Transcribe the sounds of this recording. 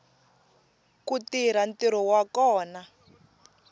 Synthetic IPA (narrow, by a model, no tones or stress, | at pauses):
kutiɾantiɾɔwakɔːna